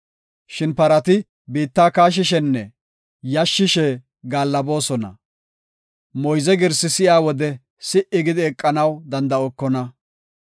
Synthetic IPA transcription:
ʃɪnpɐɾɐt̪ɪ | biːt̪ːaːkaːʃ̬ɪʃɛnːɛ | jɐʃːɪʃɛ | ɡaːlːɐbo̞ːsɔnɐ̰ | mɔjzɛɡɪɾsɪsɪʔjaːwɔd̪ɛ | sɪʔɪɡɪd̪ɪɛkʼːɐnɐwd̪ɐnd̪ɐɔkːɔnɐ

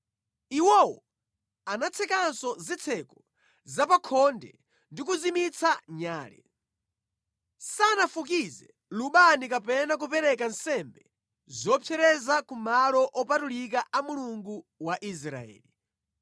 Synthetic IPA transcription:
iwɔwɔ̰ | anat͡sʰɛkansɔzɛt͡sʰɛkɔ | zapakʰɔndɛ̰ | ndikuzimit͡sʰaɲaːlɛ̰ | sanafukizɛ | luɓanikapɛnak̬upɛɾɛkansɛmbɛ | zɔpfʰɛɾɛzakumalɔʔɔpatulikaamuluŋɡuwaʔis̬ɾa̰ɛ̰ːli

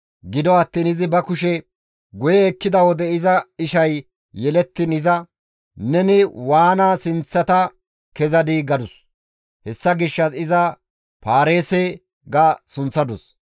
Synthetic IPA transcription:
ɡɪd̪ɔɐt̪ːiːnɪzɪbɐkʊʃɛ | ɡʊjɛːkːɪd̪ɐwɔd̪ɛɪzɐɪʃɐj | jɛlɛt̪ːɪnɪzɐ | nɛnɪwaːnaːsɪnt͡sːɐt̪ɐ | kɛzɐd̪iɡɐd̪ʊs | hɛsːɐɡɪʃːɐsɪzɐ | paːɾe̞ːse | ɡasʊnt͡sːɐd̪ʊs

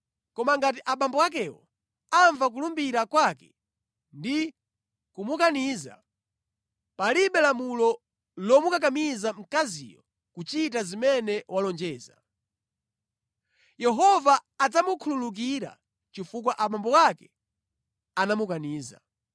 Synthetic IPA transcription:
kɔmaŋɡat̬iʔaɓambɔwak̬ɛwɔ̰ | aɱvak̬ulumbiɾakwakɛ | ndi | kumukaniːza̰ | paliɓɛlamulɔ | lɔmukak̬amizam̩kazḭjɔ | kut͡ʃit̬azimɛnɛwalɔnd͡ʒɛːza̰ | jɛɦɔvaːd͡zamukʰululuk̬iɾa̰ | t͡ʃifuk̬waʔaɓambɔwakɛ | anamukaniːza̰

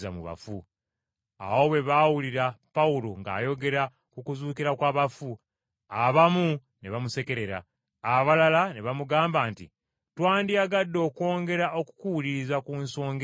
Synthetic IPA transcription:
za̰mṵβa̰fu | a̰wo̞βwe̞βaːwuliɾapaulo̞ŋɡa̰ːjo̞ɡe̞ɾa | kukuzuːkiɾakwaːβafu | aβamu | ne̞βamuse̞ke̞ɾe̞ɾa̰ː | βalalane̞βamuɡaːmbaːntḭ | twaːndiaɡadːo̞ːkwo̞ːŋɡe̞ɾao̞ku̥kuulizakunso̞ːŋɡe

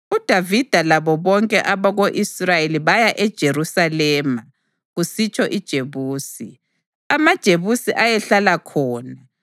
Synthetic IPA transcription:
ud̥ʱavid̥ʱalaβɔβɔŋkʼɛʔaβaɣoʔisrajeliβajaʔɛd̥ʒ̥ʱerusalɛːma | ɣusit͡ʃʰʼɔʔid̥ʒ̥ʱeβuːsi | amad̥ʒ̥ʱeβusiʔajɛɬalakʰɔːna

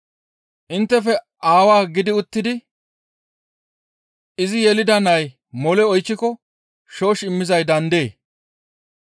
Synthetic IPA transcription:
ʔɪnt̪ːɛfɛ | ʔaːwaːɡɪd̪ɪʊt̪ːɪd̪ɪ | ʔɪzɪjɛlɪd̪ɐnɐj | mɔlɛɔjt͡ʃːɪkɔ | ʃo̞ːʃɪmːɪzɐjd̪ɐnd̪e̞ː

